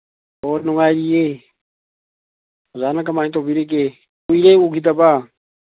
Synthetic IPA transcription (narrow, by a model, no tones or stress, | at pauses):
onʊŋaːɾije | zaːnak̬amanĩt̪obiɾek̬e | uiɾeuɡit̪̬aba